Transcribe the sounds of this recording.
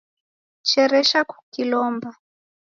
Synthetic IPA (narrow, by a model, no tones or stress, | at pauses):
t͡ʃɛɾɛʃaku̥kilɔmba